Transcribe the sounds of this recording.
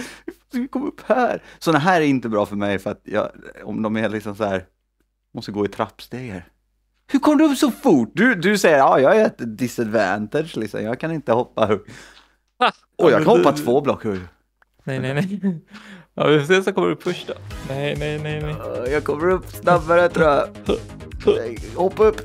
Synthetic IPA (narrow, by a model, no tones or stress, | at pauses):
ɪkʰɔmːɵpːhæːɾsɔnːaɦæːɾɛɾɪnt̪əbɾɑːfœɾmɛjfœɾat̪jɑ̰ːɔ̰md̪ɔmælɪksɔmsɔhæːɾ | mɔst̪əɡoːɪt̪ʰɾapːst̪eːɡəɾ | hɵɾkʰɔmːəɖ̪ɛɵpːsɔfʊʈ̚d̪ɵd̪ɵsɛjːəɾɑːjɑːaɾheːt̪əd̪ɪsad̪væ̰nt̪ɪd̪ʂlɪksɔ̰mjɑːɡkʰanɪnt̪əhɔpːaɦɵɡ | ʔɔjɑːkkanhɔpːat̪ʰvoːblɔkhɵj | nɛɛnɛ | ɑ̰vɪfseːsɔkʰɔmːəɖəfɵʂʈanɛjnɛnɛjnɛjjɑkʰɔmːəɾɵpːsnabːaɾət̪ʰɾuːja | ɛhɔpːaɵpː